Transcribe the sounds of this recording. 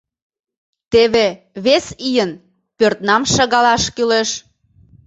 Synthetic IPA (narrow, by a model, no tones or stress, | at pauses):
t̪eβe | βesijən | pørt̪nɑmʃɑɣɑlɑʃkyleʃ